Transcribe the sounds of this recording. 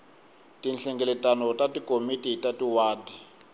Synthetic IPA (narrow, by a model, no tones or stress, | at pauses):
tinɬɛŋɡɛlɛtanɔtatikomititatiwaːdi